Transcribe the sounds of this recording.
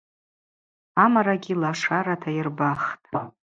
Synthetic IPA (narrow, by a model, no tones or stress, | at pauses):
amaɾaɡʲilaʂaɾatʰajɪrbaχtʼ